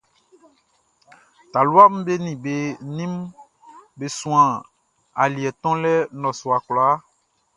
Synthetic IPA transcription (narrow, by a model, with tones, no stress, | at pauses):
t̪a˨lu˦a˦m̩˦be˦nĩ˨be˦nĩ˦m | be˨sũ˨ã˨ | a̰˨li˨ɛ˨t̪ɔ̃˦lɛ˦nɔ̃˨sɔ˨a˨klɔ˨a˦